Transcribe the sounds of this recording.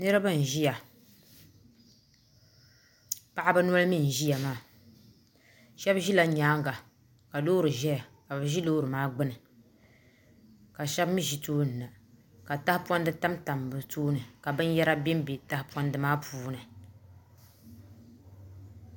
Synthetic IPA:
nɨ˦ɾɨ˦ba˦˨n̩˨ʒi˦ja˨ | pa˨ʔa˦bɨ˦n˦ɔ˦lɨ˦mi˦˨n̩˨ʒi˦ja˨maː˦ | ʃɛ˦bʒi˦la˨˦ɲaː˨˦ŋɡa˨ | ka˨lo˦ɾɨ˨ʒɛ˦ja˨ka˨bɨ˨ʒi˦lo˦ɾɨ˨maː˦ɡ͡bɨ˦nɨ˨ | ka˨ʃɛ˦bmi˦ʒi˦toː˦n̩˨na˨ | ka˨ta˦hɪ˦pɔ˦n˦dɨ˦ta˦mta˨mbɨ˨toː˦nɨ˨ka˨bɨ˦n˦jɛ˦ɾa˦bɛ˦m˦be˨ta˦hɪ˦pwɔ˦ndɨ˦maː˦pʰuː˦nɨ˨

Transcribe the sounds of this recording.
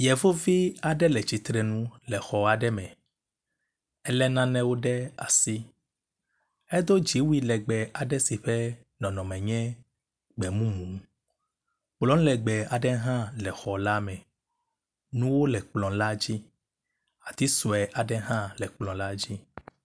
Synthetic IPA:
jɛ˨vo˦vi˦a˨ɖɛ˦lɛ˨t͡ʃi˨t̪ɾɛ˨nũ˦lɛ˨xɔ˨a˨ɖɛ˦mɛ̃˨ | ɛ˦lɛ˦nã˦nɛ̃˦wo˦ɖɛ˦a˨si˦ | ɛ˦d̪o˦d͡ʒi˨˦wi˦lɛ˨ɡ͡bɛ˨a˨ɖɛ˦si˨ɸɛ˦ | nɔ̃˨nɔ̃˨mɛ̃˨ɲɛ̃˦ | ɡ͡bɛ˨mũ˦mũ˨ŋ | k͡plɔ̃˦n˦lɛ˨ɡ͡bɛ˨a˨ɖɛ˦ɦã˦lɛ˨xɔ˨la˦mɛ̃˨ | nũ˦wo˦lɛ˨k͡plɔ̃˨la˦d͡ʑi˦ | a˨t̪i˦sɔ˨ɛ˨ʔa˨ɖɛ˦ɦã˦lɛ˨k͡plɔ̃˨la˦d͡ʑi˦

